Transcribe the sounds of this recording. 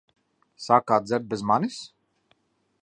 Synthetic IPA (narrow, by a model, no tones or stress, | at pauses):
saːkaːt̪zʲɛɾd̪̚bɛzmanis